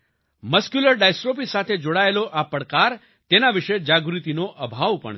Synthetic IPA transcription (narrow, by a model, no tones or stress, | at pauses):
məskjuləɾɖajsʈɾop̬isat̪ʰed͡ʒoɽaeloʔapəɽkaɾ | t̪enaʋɪʃed͡ʒaɡɾut̪inoʔəbʱaʋpə̰ɳ